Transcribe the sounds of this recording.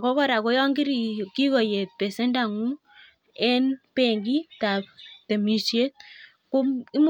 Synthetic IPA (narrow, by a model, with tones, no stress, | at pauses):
kɔ˦kɔ˦ɾa˨kɔ˦jɔ˦ŋɡi˦ɾi˨ki˦kɔ˨je˨t̚pe˨sɛ˦nda˨ŋu˦ | ɛ˦npe˨ŋɡi˦ta˨p̚te˨mi˨ʃje˦t | ku˦i˦m